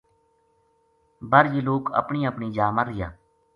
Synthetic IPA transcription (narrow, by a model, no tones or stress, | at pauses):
bəɾd͡ʒloːkə̰pɳiːəpɳiːd͡ʒaːməɾɪja̰ː